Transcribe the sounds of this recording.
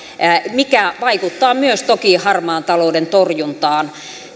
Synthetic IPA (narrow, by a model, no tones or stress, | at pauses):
mikæʋɑikut̪ːɑːmyøst̪okiːhɑrmɑːnt̪ɑloːdent̪orjunt̪ɑːn